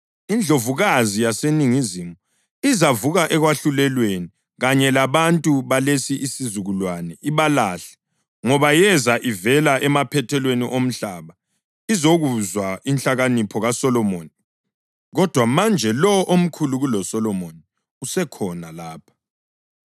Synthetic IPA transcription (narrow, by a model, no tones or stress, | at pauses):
ind͡ɮʱovuɣazijaseniŋizimu | izavuɣaʔɛɣwaɬulɛlweni | ɣaɲɛlaβantʼuβalesiʔisizuɣulwanɛʔiβalaɬɛ̥ | ŋɔβajɛzaʔivɛlaʔɛmapʰɛtʰɛlweniʔom̩ɬaβa | izoɣuzwaint͡ɬaɣanipʰɔɣasɔlɔmoni | ɣɔd̥ʱwamand͡ʒʱɛlɔʔom̩kʰuluɣulɔsɔlɔmoni | usɛkʰɔnalaːpʰḁ